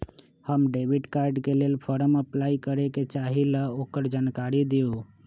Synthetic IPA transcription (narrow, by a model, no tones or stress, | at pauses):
həmɖeʋiɖkaːɾɖkeleːlpʰɔɾəməplaːikəɾeket͡ʃaɦiləoːkəɾd͡ʒaːnkaɾid̪iu